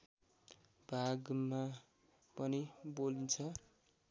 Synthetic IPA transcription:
bʱaɡma | pʌnibolint͡sʰʌ

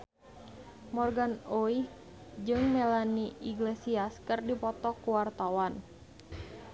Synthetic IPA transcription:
mɔrɡanoih | d͡ʒɨŋmelaniiɡlesiaskɨrdipɔt̪ɔkuwart̪awan

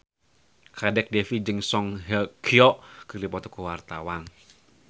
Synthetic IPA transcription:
kʰadɛk̚dɛfid͡ʒɨŋsɔŋɦəkʰiɔʔkərdipɔt̪ɔ̥kuwart̪awan

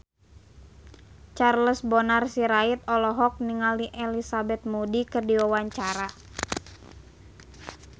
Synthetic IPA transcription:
t͡ʃarləsbɔnarsiɾait̪̚ɔlɔɦɔk̚niŋaliʔɛlisabɛt̪̚mudikɨrdiwawaɲt͡ʃaɾa

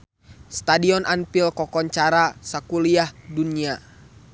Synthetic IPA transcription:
st̪adiɔnʔanpilkɔkɔɲt͡ʃaɾasakuliahdunia

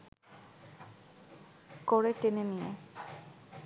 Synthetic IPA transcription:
kɔɽeʈenenijḛ

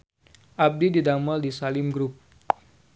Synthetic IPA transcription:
ʔab̚dididamɔldisalɪmɡɾup̚

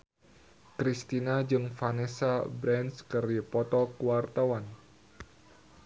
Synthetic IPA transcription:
kɾist̪inad͡ʒɨŋfanesabɾɛnskɨripɔt̪ɔkuwart̪awan

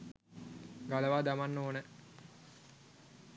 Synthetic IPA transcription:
ɡaləʋaːd̪amanːoːnə

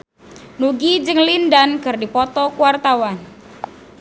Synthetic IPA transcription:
nuɡid͡ʒɨŋlindankɨrdipɔt̪ɔkuwart̪awan

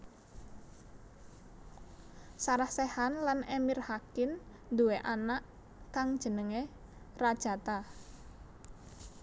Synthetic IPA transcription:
saɾahsɛhanlanemirhakɪn | d̪uweʔanaʔ | kaŋd̥ʒ̥ə̤nəŋerad̥ʒ̥a̤t̪a

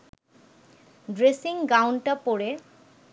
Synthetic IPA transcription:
ɖɾesiŋɡawɳʈapoɽe

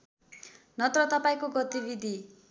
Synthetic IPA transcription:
nʌt̪rʌt̪ʌpaĩkoɡʌt̪ibid̪ʱi

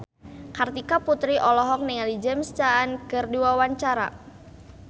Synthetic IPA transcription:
kart̪ikaput̪ɾiʔɔlɔɦɔk̚niŋalid͡ʒɛmst͡ʃaːnkɨrduwawaɲt͡ʃaɾa̰

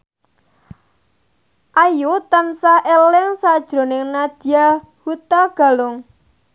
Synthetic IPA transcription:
ʔajut̪ansaʔelɪŋsad̥ʒ̥ɾo̤nɪŋnad̪̥i̤a | hut̪aɡ̥a̤lʊŋ

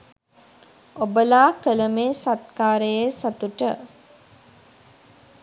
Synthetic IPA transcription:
obəlaːkələmeːsat̪̚kaːɾəjesat̪uʈə

